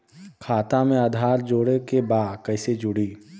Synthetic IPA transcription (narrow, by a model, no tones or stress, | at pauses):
kʰaːt̪amẽaːd̪ʱaːɾd͡ʒoːɽekebaːd̪kɐɪsed͡ʒʊɽiː